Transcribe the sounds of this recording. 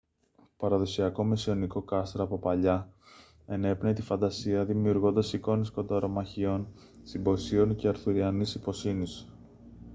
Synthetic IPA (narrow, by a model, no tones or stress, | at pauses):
pɐɾɐðo̞siɐko̞mesio̞niko̞kɐst̪ɾɐːpo̞pɐʎɐ | e̞ne̞pnet̪ifɐnd̪ɐsiɐðimiuɾɣo̞nd̪ɐsiko̞nisko̞nd̪ɐɾo̞mɐçio̞n | simbo̞sio̞nce̞ɐɾθuɾiɐnisipo̞sinis